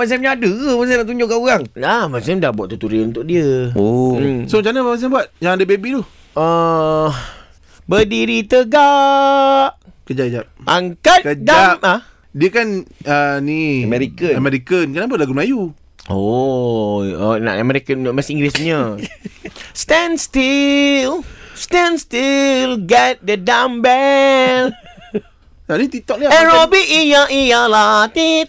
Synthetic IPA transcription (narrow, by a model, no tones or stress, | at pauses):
mas̬emɲaadəmas̬emnaʔt̪̬uɲd͡ʒʊʔkanuɣaŋlamasɪmdahbuat̪ət̪uɾiunt̪ʊʔ̚diəosomt͡ʃanamas̬ɪmbuat̪̚jãŋadəbebit̪ɔh | ə | bədiɾit̪əɡa | ʔkəd͡ʒaʔd͡ʒap̚aŋkat̪kəd͡ʒdaaa | diəkanənimɛɾikəamɛɾikənkənap̬alaɡumlaju | o | o̰na̰ʔamɛɾikənməsĩŋɡlisɲə | st̪ɛnst̪ilst̪ɛnst̪ilɡɛt̪̚dədambɛl | nanit̪it̪ɔk̚niɛɾobiʔijaʔijalat̪it̪̚